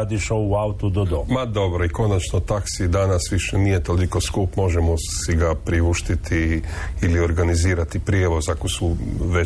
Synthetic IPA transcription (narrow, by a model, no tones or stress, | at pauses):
ad̪iʃouaut̪ud̪od̪omad̪o̞bɾoiko̞nat͡ʃnot̪aksid̪anasʋiʃenije̞t̪o̞liko̞skuːpmo̞ʒemosiɡapɾiʋuʃt̪it̪ʰiːlio̞ɾɡaniziːɾat̪ipɾjeːʋo̞zako̞suʋe